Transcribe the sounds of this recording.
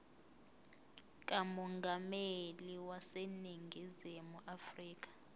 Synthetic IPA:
k̬ʼamɔŋɡʱameliwaseniŋɡʱizimuʔafriːk̬ʼḁ

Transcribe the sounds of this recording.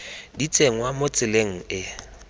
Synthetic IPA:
dit͡sʼeŋ̩wamot͡sʼɪleŋ̩ɪ

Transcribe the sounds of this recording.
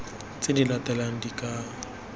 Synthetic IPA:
t͡sʼɪdilatʼɛlaŋ̩dikʼaː

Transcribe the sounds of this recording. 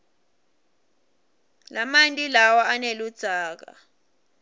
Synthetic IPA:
lamantʼilawaanelud̥z̥ʱaːk̬a̰

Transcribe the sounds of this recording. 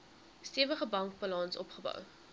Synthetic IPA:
stiəvəχəbɐŋk̚bɑlɑnsɔpχəbɐ̰w

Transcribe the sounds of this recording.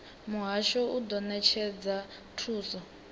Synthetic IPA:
muɦaʃɔudɔnɛt͡ʃʰɛd͡za | tʰuːsɔ

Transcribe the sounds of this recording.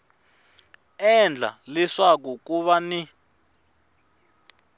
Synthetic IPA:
ɛnd͡ɮʱa̰liswak̬uk̬ʼuɓani

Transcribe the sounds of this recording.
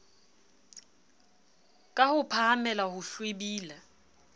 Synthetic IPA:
kʼahʊpʰahamɛlahʊɬwebiːla

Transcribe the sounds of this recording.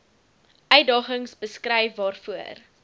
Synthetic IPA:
ʔœɥ̚dɑːχəŋsbəskrɛjfːɑːrfuər

